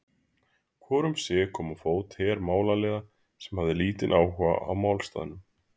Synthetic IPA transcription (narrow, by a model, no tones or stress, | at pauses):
kʰvɔːɾʏmsɛkʰɔːmɔfoːwt̪hɛːɾmaːwlalɛːɣa | sɛmhavðɪliːt̪ɪnʔaːwha̰ʔa̰wmawlst̪a̰ːðɪnʏm